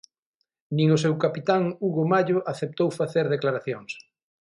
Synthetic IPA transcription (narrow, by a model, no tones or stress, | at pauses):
nĩŋʊs̬ewkapit̪aŋuɣomaʎʊʔaθep̚t̪owfaθeɾðeklaɾaθjoŋs